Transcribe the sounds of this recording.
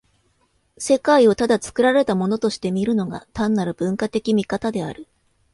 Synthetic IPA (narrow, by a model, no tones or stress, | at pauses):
se̞kaio̞t̪ad̪at͡sɨ̥kɯ̟ɾaɾe̞t̪amo̞no̞t̪o̞ɕi̥t̪e̞mʲiɾɯ̟no̞ɡa̰t̪ãnːaɾɯ̟b̥ɯ̟̃ŋkat̪e̞kʲimʲikat̪ad̪e̞aɾɯ̟